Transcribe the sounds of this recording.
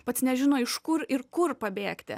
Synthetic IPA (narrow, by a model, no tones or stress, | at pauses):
pɐt̪snʲɛʒʲɪnoːɪʃkʊɾɪɾkʊrpɐbʲeːkt̪ʲɪ̰